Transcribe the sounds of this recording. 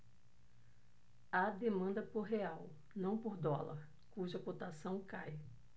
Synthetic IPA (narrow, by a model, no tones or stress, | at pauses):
ad̪emɐ̃nd̪ɐpoɾɦeaw | nɐ̃w̃poɾd̪ɔlɐ̰ɾ | kuʒɐkot̪asɐ̃w̃kaj